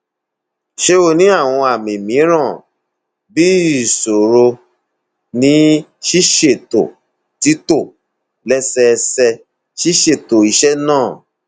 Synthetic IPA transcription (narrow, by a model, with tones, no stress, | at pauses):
ʃe˦o˧˨nĩ˦a˦˨w̃ɔ̃˧a˨mĩ˨mĩ˨˦ɾ̃ã˦˨ | bi˦i˦˨so˨ɾo˧ | nĩ˨˦ʃi˦ʃe˦˨to̰˨ | ti˨˦to˦˨ | lɛ˦sɛ˦˧sɛ˧ | ʃi˦ʃe˦˨to˨i˨ʃɛ˦nãː˦˨